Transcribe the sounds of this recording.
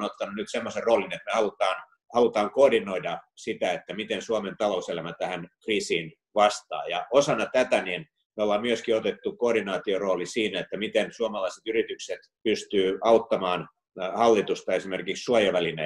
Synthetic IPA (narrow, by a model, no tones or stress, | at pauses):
not̪ːɑnunyt̪semːoserroːlinet̪mehɑlut̪ɑːn | hɑlut̪ɑːŋkoːrdinoidɑsit̪æet̪ːæmit̪ensuɑment̪ɑlouselæmæt̪æhænkriːsiːn | ʋɑst̪ɑ̰ːjɑosɑnːɑt̪æt̪ænin | meolːɑːmmyøskiot̪et̪ːukoːdinɑːt̪ioroːlisiːnæet̪ːæmit̪ensuɑmɑlɑiset̪yrit̪ykset̪pyst̪yːɑut̪ːɑmɑːn | hɑlːit̪ust̪ɑesimerkikssuojɑʋælinæ